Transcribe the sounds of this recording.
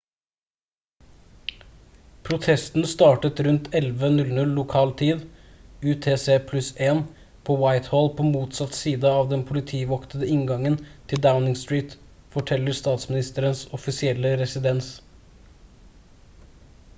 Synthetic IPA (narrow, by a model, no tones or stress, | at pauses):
pʰɾʊt̪ʰɛst̪n̩st̪ɑːʈət̪ɾʉnt̪ʰɛlʋənʉlnʉlːʊkʰɑːlt̪ʰiːd̪ʉːt̪ʰeːseːpʰlʉseːn | pʰoːwaɪt̪hɔlpʰoːmuːt̪sɑt̪siːd̪əɑːʋd̪ɛnpʰʊlɪt̪ʰiːʋɔknəd̪əɪŋɡɑŋənt̪ʰɪld̪aʊnɪŋst̪ɹiːt̪ | fɔʈʰɛlːəɾst̪ɑːt̪smɪnɪst̪əɾənsɔfɪsɪɛlːəɾɛsɪd̪ɛns